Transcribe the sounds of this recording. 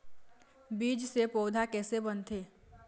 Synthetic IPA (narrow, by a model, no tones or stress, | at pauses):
biːd͡ʒsepoːd̪ʱakɛːsebənt̪ʰeː